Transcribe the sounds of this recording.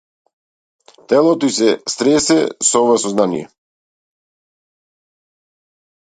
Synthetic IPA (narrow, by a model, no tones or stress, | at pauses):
t̪ɛlˠɔt̪ɔisɛst̪ɾɛsɛsɔɔvasɔznanḭjɛ̰